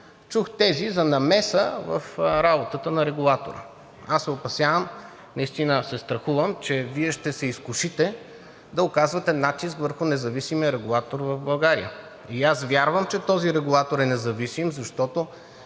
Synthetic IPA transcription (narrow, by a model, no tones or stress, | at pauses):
t͡ʃuxt̪ɛzizɐnɐmɛsəvə̰fɾabot̪ət̪ənɐɾɛɡulˠat̪o̰ɾə̰ | asːɛopɐsjavəm | nɐist̪inəsɛst̪ɾɐxuvəmt͡ʃɛviɛʃt̪ɛsɛiskʊʃit̪ɛ | d̪ɐokazvɐt̪ɛnat̪iskvəɾxʊnɛzɐvisimijəɾɛɡʊlˠat̪oɾvɐvbɐlˠɡaɾḭə̰ | iasvʲjaɾvəmt͡ʃɛt̪ɔziɾɛɡʊlˠat̪oɾɛnɛzɐvisimzɐʃt̪ɔt̪o